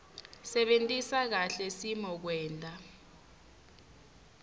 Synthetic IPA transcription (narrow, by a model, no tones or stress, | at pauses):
sɛɓentʼisak̬aɬɛsimɔk̬wɛːntʼa